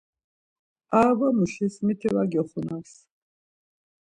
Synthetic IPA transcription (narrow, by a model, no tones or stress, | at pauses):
aːbamuʃɛsmit̪ʰiwaɡɛχunas